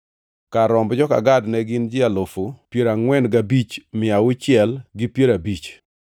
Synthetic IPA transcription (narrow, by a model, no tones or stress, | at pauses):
kaɾɔmbd͡ʒɔka̰ɡadnɛɡɪnd͡ʒɪalofopjeɾaŋwɛnɡabit͡ʃmɪawʊt͡ʃɪɛlɡɪpjeɾabit͡ʃ